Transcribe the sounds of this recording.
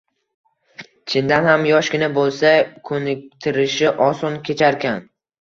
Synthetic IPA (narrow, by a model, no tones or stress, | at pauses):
t͡ʃʰɪnd̪anhamjɒʃkʲɪnabolˠsakʰɵnɪk̚ʲt̪ʰɪɾɪʃɪʔɒsɒnkʲʰe̞t͡ʃʰaɾkʲʰan